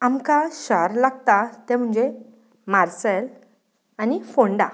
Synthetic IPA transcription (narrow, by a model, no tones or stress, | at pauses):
amkaɕəɾlaɡt̪at̪ɛ̃m̤əɳd͡ze | maɾsəl | anifoɳɖa̰